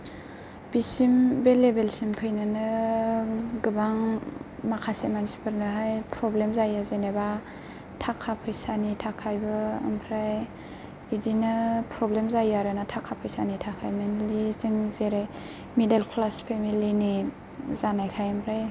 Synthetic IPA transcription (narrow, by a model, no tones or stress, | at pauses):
b̥isimbelebelsimpʰɯjnɯnɯ | ɡɯbaŋmakʰasemanspɯɾnɯɦajpʰɾɔblemzajazeneba | tʰakʰapʰɯjsanitʰakʰajbɯɯ̰mpʰɾaj | idinɯpɾɔblemzajaɾɯnatʰakʰapʰɯjsanitʰakʰajmenliziŋzeɾaj | midelkʰlaspʰemilini | zanajkʰajɯmpʰɾaj